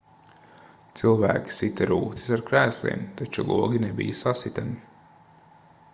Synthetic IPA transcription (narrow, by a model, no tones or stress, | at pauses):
t̪silˠvæ̰ːkʲi̥sit̪aɾuːt̪i̥saɾkɾæːslˠḭɛmt̪at͡ʃulˠuɔɡʲinebḭjəsasit̪ami